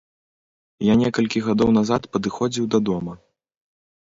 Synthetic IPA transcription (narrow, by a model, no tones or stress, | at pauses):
janʲɛkɐlʲkʲiɣad̪ɔwnazat̪pɐd̪ɨxɔd͡zʲiwd̪ɐd̪ɔmɐ